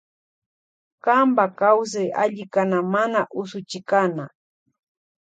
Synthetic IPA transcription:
kambakaws̬aja̰ʎɪkanamanaʔʊsʊt͡ʃɪkana

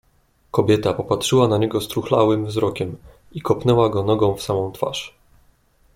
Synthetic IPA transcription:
kɔbʲjɛt̪apɔpatʂɘwanaɲɛɡɔst̪ɾuxlawɘmvzɾɔkʲɛm | ikɔpnɛwaɡɔnɔɡɔ̃w̃fsamɔ̃w̃t̪fa̰ʂ

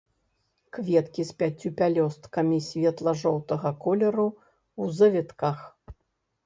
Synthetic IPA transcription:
kvʲɛt̪kʲispʲat͡sʲːupʲalʲɔst̪kɐmʲisʲvʲɛt̪lˠɐʐɔwt̪ɐɣɐkɔlʲɛɾu | wzɐvʲɛt̪kax

